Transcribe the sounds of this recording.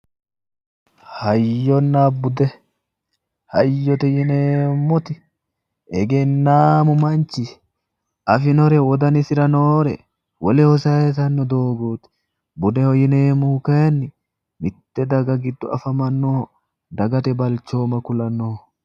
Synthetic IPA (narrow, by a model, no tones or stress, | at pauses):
hɐjːɔnːaːbʊd̪ɛ | hɐjːɔt̪ɛjɪneːmːɔt̪ɪ | ɛɡɛnːaːmʊmɐnt͡ʃːɪ | ʔɐfɪnɔɾɛwɔd̪ɐnɪsɪɾɐnoːɾɛ | wɔlɛhɔsɐɛt̪ɐnːɔd̪oːɡuːt̪ | bʊd̪ɛhɔjɪneːmːʊhʊkeːnːɪ | mɪt̪ːɛd̪ɐɡɐɡɪd̪ːʊɐfɐmɐnːoː | d̪ɐɡɐt̪ɛbɐlt͡ʃːo̞ːmɐkʊlɐnoː